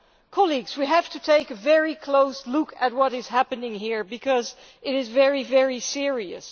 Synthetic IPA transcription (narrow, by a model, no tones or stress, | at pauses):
kʰɑlˠiɡz̥wiɦæftɨtʰeɪkɨvɛɹikʰl̥oʊslʊkʰɨt̚wʌɾɨz̥hæpɨnɪ̃ŋɦiɹbɨkʰʌz | ʔɨɾɨzvɛɹivɛɹisɪɹiɨ̰s